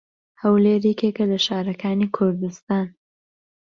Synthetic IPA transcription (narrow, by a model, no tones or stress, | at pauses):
hɐwleːɾɛkekɐlɐʃaːɾɐkʰaːnikʰʊɾd̪ust̪aːn